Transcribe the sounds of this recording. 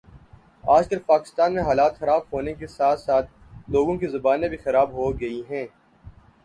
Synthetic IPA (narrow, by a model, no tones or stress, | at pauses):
aːd͡ʒkɐlpaːkɪ̥st̪aːnmẽɦaːlaːt̪xɐɾaːbɦoːnekesaːt̪saːt̪̚ | loːɡõkizɐbaːnẽbʱixɐɾaːbɦoɡɐiɦɛ̃ː